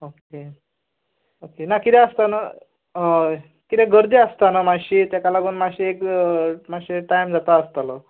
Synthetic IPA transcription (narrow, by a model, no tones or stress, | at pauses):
oke | okenakit̪ɛ̃əst̪ana | kit̪ɛ̃ɡəɾd̪iəst̪anamaɕit̪jakalaɡuːnmaɕiekmaɕiʈajmd͡zat̪aəst̪alə